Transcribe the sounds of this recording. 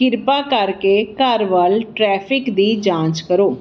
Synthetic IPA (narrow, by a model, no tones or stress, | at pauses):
kɪɾpaːkəɾkeːkəɾʋəlʈɾɛːpʰɪkd̪iːd͡ʒãːt͡ʃkəɾoː